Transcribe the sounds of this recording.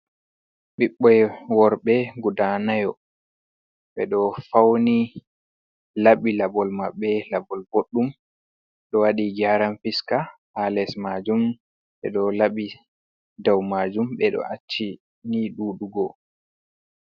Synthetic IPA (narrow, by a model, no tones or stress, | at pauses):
ɓiɓːɔjwɔɾɓɛɡudanajɔ | ɓɛɗɔfawni | laɓilabɔlmaɓːɛlabɔlboɗːum | ɗɔwaɗiɡaːɾamfiskahalɛsmad͡ʒum | ɓɛɗɔlaɓi | dawmaːd͡ʒumɓɛɗɔ̰ʔat͡ʃːi | niɗuːɗuɡɔ